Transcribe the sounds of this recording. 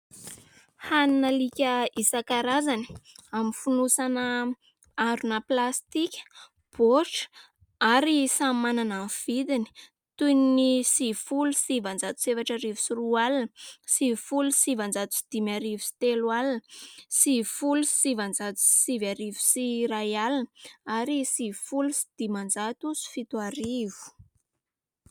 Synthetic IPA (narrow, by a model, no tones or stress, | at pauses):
haninəlikʲəisakaɾazani̥aminfunusanə | aɖ͡ʐunəplast̪ikʲə̥ | b̥oʈ͡ʂə̥ | aɾisammanananv̥id̪ini̥ | t̪uninisifulusivand͡zat̪u̥sevaʈ͡ʂəɾivu̥sirualinsifulusivand͡zat̪u̥si̥d̪̥imaɾivusi̥t̪elalnsifulussivand͡zat̪u̥sivaɾivu̥siɾajalinəaɾisifulusi̥d̪̥imand͡zat̪usi̥fit̪uaɾiv̥u̥